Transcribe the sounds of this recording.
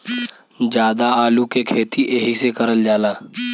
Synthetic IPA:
d͡ʒjaːd̪aaːlukekʰeːt̪iʔeːɦisekəɾəld͡ʒaːlaː

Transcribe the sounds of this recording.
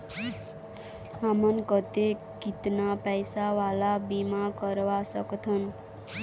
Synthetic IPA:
amʌnkʌt̪e | kit̪napajsawalabimakʌɾwasʌkt̪ʰʌn

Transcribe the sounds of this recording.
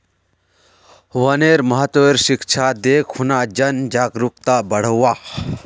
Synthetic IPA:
ʋɐneːɾmɐɦət̪əeɾʃikt͡ʃʰaːd̪eːkʰhunaːd͡ʒɐnd͡ʒaːɡɾukt̪abɐɽ̤əwaː

